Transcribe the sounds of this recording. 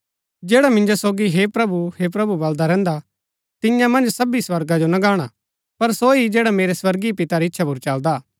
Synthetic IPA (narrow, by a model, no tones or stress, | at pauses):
d͡ʒeːɽamɪ̃nd͡ʒosoːɡiɦepɾɐbuhep̬ɾɐbubɐld̪aɾɛ̃ːnd̪a | t̪ɪ̃jãmɐ̃nd͡ʒsɐbiswɐɾɡad͡ʒonɐɡaːɽ̃a | pɐɾsoid͡ʒɛːɽameːɾeswɐɾɡipɪt̪aɾeɪtːʃʰapuɾt͡ʃɐld̪aː